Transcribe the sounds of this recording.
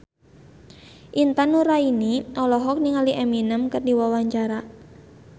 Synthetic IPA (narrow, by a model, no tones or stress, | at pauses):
ʔint̪anuɾainiʔɔlɔɦɔk̚niŋaliʔɛminəmkɨrdiwawaɲt͡ʃaɾa